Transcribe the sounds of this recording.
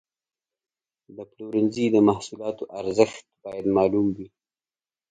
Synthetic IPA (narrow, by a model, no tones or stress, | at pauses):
d̪əpluɾɪnzid̪əmahsulɑt̪oʔaɾzəxt̪̚bɑjad̪mɑlumwi